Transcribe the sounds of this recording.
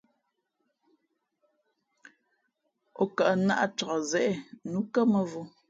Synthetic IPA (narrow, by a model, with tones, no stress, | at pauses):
o˨kə˨ʔna̰˦ʔa˨t͡ʃɔ˨ʔɔ˨zɛ˦ʔɛ˦˨nu˨˦kə˦mə˨vu˦